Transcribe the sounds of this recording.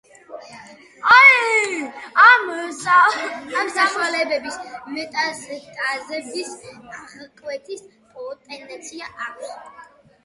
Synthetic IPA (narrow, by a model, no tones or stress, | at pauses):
a | amsaamsaʃwalɛbɛbismɛt̪ʼasd̪ʼazɛbisaχkʼwɛt̪ʰis | pʼɔɔt̪ʼɛnd̪ɛnt̪sʰiaʔakʷʰs